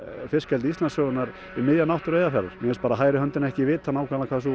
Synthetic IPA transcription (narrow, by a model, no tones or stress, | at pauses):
fɪr̥scɛlt̪ɪist̪lansœɣʏnaɾ | ɪmɪðjanawht̪ʏɾeːjðafɛɾaɾmjɛɛspaːɾaɦaːjɾɪɦœnt̪ɪnɛhcɪvɪt̪θanawkʰaðlakʰaːðasu